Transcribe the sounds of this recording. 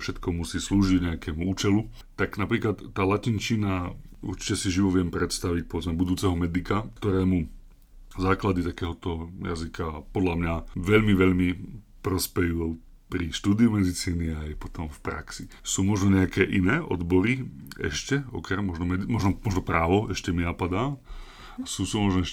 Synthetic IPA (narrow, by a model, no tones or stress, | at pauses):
fʃɛt̪kɔmusiːsluːʒiɟɲɛakɛːmuuːt͡ʃɛlu | t̪aɡnapɾiːklat̪ːaːlacint͡ʃina | ṵɾt͡ʃi̥cɛsiʒiʋɔʋɪɛmpɾɛt̪st̪aʋic̚pɔʋɛd͡zmɛbud̪uːt͡sɛɦɔmɛd̪ikakt̪ɔɾɛːmu | zaːklad̪it̪akɛːɦɔt̪ɔja̰zikʰapɔd̪ʎamɲaʋɛʎmiʋɛʎmi | pɾɔspɛju | pɾiʃt̪uːd̪iumɛd̪it͡siːniajpɔt̪ɔmfpɾa̰ksisuːmɔʒnɔɲɛakɛːʔinɛːʔɔ̰d̪bɔɾiɛ̰ʃcɛɔ̰kɾɛmːɔʒnɔmɛd̪imɔʒnɔmɔʒnɔpɾaːʋɔɛʃcɛminapad̪aː | asuːsuːmɔʒnɔɛʃ